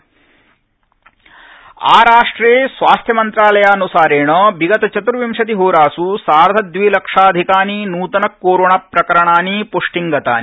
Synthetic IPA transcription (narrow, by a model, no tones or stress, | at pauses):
a̰ːɾaːʂʈɾeːsʋaːst̪ʰjɐmɐnt̪ɾaːlɐjaːɐnusaːɾeːɳɐbiɡɐt̪ɐt͡ʃɐt̪uɾʋimʂɐt̪̬iɦoːɾaːsusaːɾd̪ʱɐd̪ʋilɐkʂaːd̪ʱikaːninuːt̪ɐnɐkːoːɾoːɳapɾɐkɐɾɐɳaːnipoːʂʈiŋɡɐt̪a̰ːni